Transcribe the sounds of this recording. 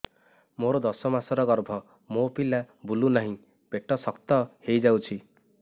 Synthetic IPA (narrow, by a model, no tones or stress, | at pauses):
moɾɔd̪ɔsɔmasɔɾɔɡɔɾbʱɔ | mopila | bulunaɦĩ | b̥eʈɔsɔkt̪ɔhejd͡ʒawt͡ʃʰi